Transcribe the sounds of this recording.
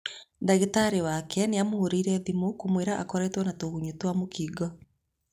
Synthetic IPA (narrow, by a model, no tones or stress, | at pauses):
daɣetaɾewakʰɛneamohoɾiɾɛðimokomweɾaʔa̰kɔɾɛtwɔnatoɣuɲutwamokʰiɡɔ